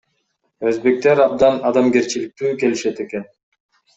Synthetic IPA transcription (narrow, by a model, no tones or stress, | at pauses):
ø̞zbe̞k̚t̪e̞ɾɑb̚d̪ɑnɑd̪ɑmɡe̞ɾt͡ʃilik̚t̪yːke̞liʃe̞t̪e̞ke̞n